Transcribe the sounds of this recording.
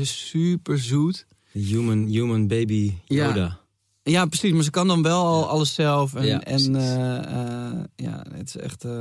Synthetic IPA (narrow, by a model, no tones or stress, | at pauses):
ɪssypərzuːt | jumənjuːmənbejbijoːda | japrəsismaɹs̬əkɔndɔnʋɛlˠɔlˠɑ̰lˠəsːɛlˠfɛnɛn | ja̰ɪ̰tɪ̥sɛ̰xt